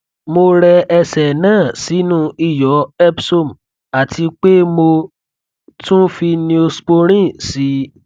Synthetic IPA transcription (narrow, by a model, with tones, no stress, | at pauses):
mo˧ɾɛ˧ɛ˧sɛ˨nãː˦˨si˨˦nũ˦i˦˨jɔ˨˦ɛ˦bso˦˨m̩˨ | a˨tʰi˧k͡pe˦mo˧ | tũ˦fi˧nĩ˧o˧sk͡po˧ɾ̃ĩ˦˨si˨˦